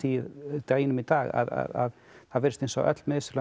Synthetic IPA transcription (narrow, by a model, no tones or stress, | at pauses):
it̪eːjɪnʏmit̪aːɣa̰ða̰ðað | θaðvɛɾʏst̪ejnsɔ̰ʔœ̰t̪lmɛɪsɾla